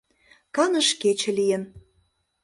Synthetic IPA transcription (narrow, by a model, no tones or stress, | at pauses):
kɑnə̆ʃket͡ɕĕlijə̆n